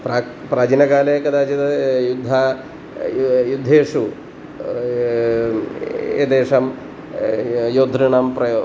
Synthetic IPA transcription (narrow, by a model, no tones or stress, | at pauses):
pɾa | pɾaːd͡ʒinɐɡaːlekɐd̪aːt͡ʃit̪ɐjud̪ʱːa | jud̪ʱeːʂu | ḛd̪eːʂɐm | joːd̪ʱɾiɳɐmpɾɐ